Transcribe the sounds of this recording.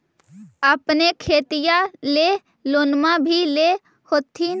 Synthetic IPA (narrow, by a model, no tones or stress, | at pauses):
əpnekʰeːt̪ijale | loːnmabʱile | hoːt̪ʰi